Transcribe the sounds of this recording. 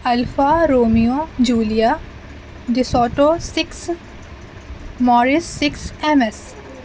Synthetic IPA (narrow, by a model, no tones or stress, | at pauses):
ɐlfaːɾoːmijõd͡ʒuːlija | ɖ̪ɪsɔːʈoːsɪks | mɔːɾɪsːɪksɛmɛs